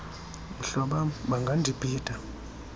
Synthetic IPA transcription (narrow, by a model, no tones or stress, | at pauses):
m̩ɬɔɓaɓaŋɡʱandʱib̥ʱiːd̥ʼʱa